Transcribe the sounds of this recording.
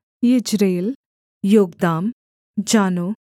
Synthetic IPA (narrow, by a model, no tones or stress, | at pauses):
jid͡ʒɾeːl | joːɡd̪aːm | d͡ʒaːnoː